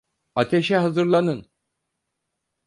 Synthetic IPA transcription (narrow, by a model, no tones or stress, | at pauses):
at̪ʰeʃɛɦazɯɾlˠanɯn